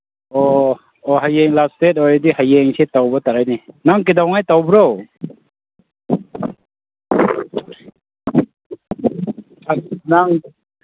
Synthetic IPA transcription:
ɔ | ɔɦajeŋlastet̚ɔɾdihajeŋsetawbɔtaɾajninaŋk̬idawŋajtawbɾow | anaŋ

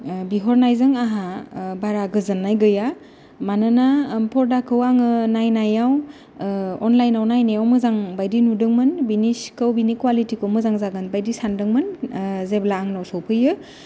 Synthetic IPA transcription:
biɦɔɾnajzɯŋaɦabaɾaɡɯzɯnːajɡɯja | manɯnapʰɔɾdakʰɯwaŋɯnajnajaw | ɔnlajnawnajnajawmɯzaŋbajdinudɯŋmɯnbiniskɯwbinikwalitikomɯzaŋzaɡɯnbajdisandɯŋmɯnzeblaːŋnɔwsowpʰɯjɯ

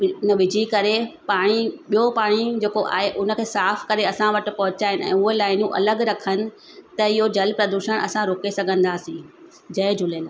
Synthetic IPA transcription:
nəʋɪd͡ʑʱikɐɾepaːɽ̃iɓijopaːɽ̃id͡ʑeːkoʔa̰ːɦeʔʊnə̆kʰeːsaːfkɐɾeɐsãʋɐʈɪ̆pɐɦʊt͡ɕaːɦɪnɪɛ̰̃ːʊɦelaːɪnũʔɐ̰ləɡɾɐkʰənɪ̆ | t̪ɐɪɦod͡ʑɐlpɾɐd̪uːʃəɽ̃ɐ̰sãɾoːkesɐɡʱə̃nd̪aːsĩː | d͡ʑɐɪd͡ʑʱʊləlaː

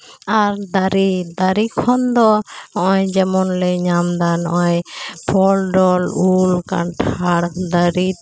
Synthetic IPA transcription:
aɾd̪aɾid̪aɾikʰɔnd̪ɔɔɔjd͡ʒɛmɔnlɛɲamd̪anɔjpʰɔlɖɔlulka̰nʈʰaɽkd̪aɾi

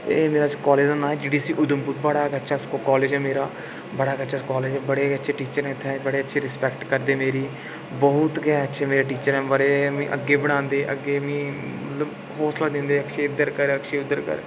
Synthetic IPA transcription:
emeːɾaːt͡ʃkɔːleːd͡ʒõnd̪aːɦɛːd͡ʒiːɖiːsiːʔʊd̪əmbʊk̪̚bəɽaːkətːʃaːskːkɔːleːd͡ʒɦɛːmeːɾaː | bəɽaːkətːʃaːkɔːleːd͡ʒɛːbəɽeːkətːʃʰeːʈiːt͡ʃəɾɦɛ̃ːɪt̪ʰːebəɽeːətːʃʰeːɾɪspɛːkʈkəɾd̪eːmeːɾiː | bɔːʊt̪ɡɛːətːʃʰeːmeːɾeːʈ̬iːt͡ʃəɾɛːʋəɾeːmĩːʔə̰ɡːeːbəɽ̃ãːnd̪eːʔə̰ɡːeːmĩːmət̪ləb | ɦɔːslaːd̪ɪ̃ːnd̪eːəkʃeːʊd̪əɾkəɾəkʃeːʊd̪ːəɾkə̰ɾ

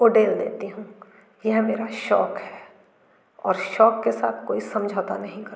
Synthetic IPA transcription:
oːɖeːld̪ḛːt̪eɦũː | jɛɦmeːɾaʃɔːkɦɛː | ɔːɾʃɔːkːesa̰ːt̪ʰkoːisɐ̃md͡ʒʱaːt̪anɐɦĩkɐɾ

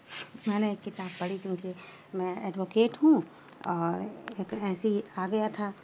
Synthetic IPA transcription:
mɛːneekːɪt̪aːbpɐɽikjõːki | mɛ̃ɛːɖʋoːkeːʈɦũ | ɔːɾeːkɛːsiaːɡɐjat̪ʰaː

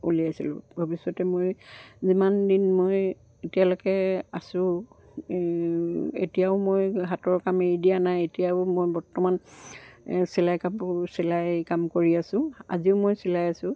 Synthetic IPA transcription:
uliasilʊ̰̃bʱobisɔtɛmojzimandinmoj | etijalokɛasʊ̃ | ḛtijaʊmojɦatɔɹkameɹidijanajetijaʊmojbɔɹtɔman | sɛlajkamsilajkamkoɹiasʊ̃a̰ziʊmojsilajasʊ̃

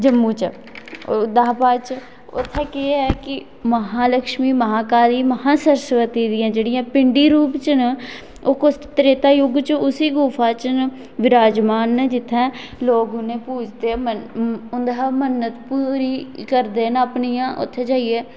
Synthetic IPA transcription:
d͡ʒəmːũːt͡ʃə | d̪aːpaːt͡ʃ | ʊ̰t̪ʰːɛːkɪɛkɪ | məɦãːləkʃmiːməɦaːkaːliːməhãːsəɾsʋət̪iːd̪ɪjãːd͡ʒeːɽɪjãːpɪɳɖiːɾuːpt͡ʃən | oːkʊst̪ɾeːt̪aːjʊɡt͡ʃʊsiːɡuːpʰaːt͡ʃn | ʋɪɾaːd͡ʒmaːnd͡ʒɪt̪ʰːɛ̃ː | loːɡʊnẽːpuːd͡ʒd̪eːməʊnd̪aːmənːət̪puːɾiːkəɾd̪eːnəpɳijãːʔʊ̰t̪ʰːeːd͡ʒaːieː

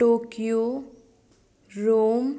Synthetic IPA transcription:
ʈokijo | ɾom

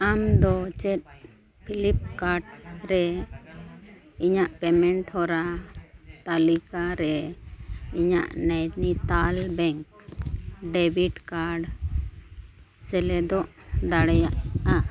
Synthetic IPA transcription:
amd̪ɔt͡ʃɛt̪̚ | pʰilip̚kaɾɖɾɛ | iɲaʔpɛmɛɳʈhɔɾa | t̪alikaɾɛ | iɲa̰ʔnɛjnit̪albɛŋk̚ | ɖɛbʱiʈkaɾɖ | sɛlɛd̪ɔʔd̪aɽɛjaʔa

